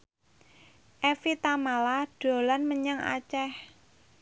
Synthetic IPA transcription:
ʔefit̪amalaɖ̥o̤lanməɲaŋa̰t͡ʃɛh

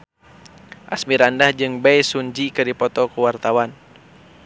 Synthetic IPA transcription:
ʔa̰smiɾandahd͡ʒɨŋbɛjsuɲd͡ʒikəɾipɔt̪ɔkuwart̪awan

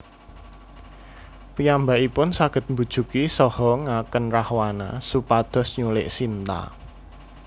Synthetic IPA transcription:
pijambaʔipʊnsaɡ̥ə̤t̪̚mbṳd̥ʒ̥ṳkisɔhɔŋakənrahwana̰supad̪̥ɔ̤sɲulɪ̰ʔsint̪a̰

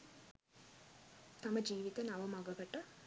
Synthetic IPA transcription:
t̪ɐmɐd͡ʒiːʋit̪ɐnɐʋɐmɐɡɐɡɐʈːɐ

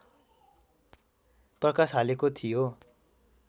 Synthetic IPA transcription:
prʌkasɦalekot̪ʰijo

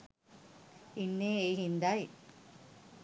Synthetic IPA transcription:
inːeeɦind̪aj

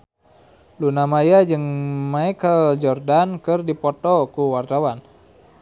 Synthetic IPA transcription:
lunamajad͡ʒɨŋmaikəld͡ʒɔrdankɨrdipɔt̪ɔkuwart̪awan

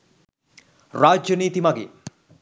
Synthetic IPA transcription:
ɾaːd͡ʒjəniːt̪imaɡḛː

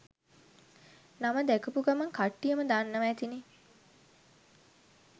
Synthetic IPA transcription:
naməd̪ækəpuɡamɐŋkaʈːijəməd̪anːəʋæːt̪ine

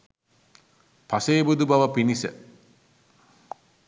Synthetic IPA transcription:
paseːbud̪ubaʋəpinisə̰

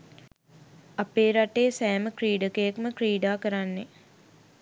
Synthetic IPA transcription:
apeːɾaʈeːsæːməkɾiːɖəkəjəkməkriːɖaːkəɾanːe

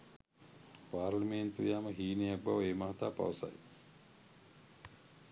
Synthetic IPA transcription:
paːɾlɐment̪uijaːməɦiːnejak̚baʋeːmaɦat̪aːpa̰ʋəsa̰j

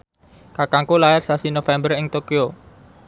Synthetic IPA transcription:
kakaŋkulaɪrsasinofɛmbərɪŋt̪okio

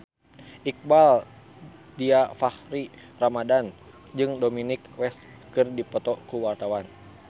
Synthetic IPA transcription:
ʔik̚bal | diafahɾi | ramadan | d͡ʒɨŋdominikwɛs | kɨrdipɔt̪ɔkuwart̪awan

